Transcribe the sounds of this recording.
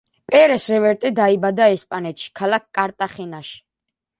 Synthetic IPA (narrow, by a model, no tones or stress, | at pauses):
pʼɛɾɛsɾɛvɛɾt̪ʼɛd̪aibad̪aɛspʼanɛt̪ʃi̥kʰalak̚kʼːaɾt̪ʼaχinaʃi̥